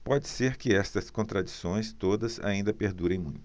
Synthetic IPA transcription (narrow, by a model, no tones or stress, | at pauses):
pɔd͡ʒɪseɾkɪɛst̪ɐskõnt̪ɾad͡ʒisõj̃st̪od̪ɐza̰ĩnd̪ɐpeɾd̪uɾẽj̃mũj̃t̪ʊ